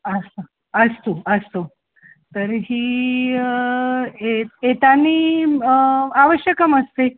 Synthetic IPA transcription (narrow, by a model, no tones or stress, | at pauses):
əsa | əst̪oəst̪o | t̪əɾɦiː | eet̪aniː | aʋəɕjəkəməst̪e